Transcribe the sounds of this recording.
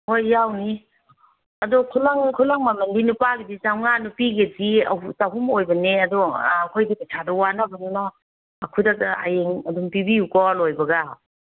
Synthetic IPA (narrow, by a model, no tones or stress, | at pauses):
hojːawni | adɔkʰulaŋkʰulaŋmamɐndinupaɡidisawŋanupiɡediausaɦumojbɐneadɔːkʰojdipatʰadɐwanabɐnunaː | kʰujdaka̰jeŋɐdumpibiukɔlojbɐɡa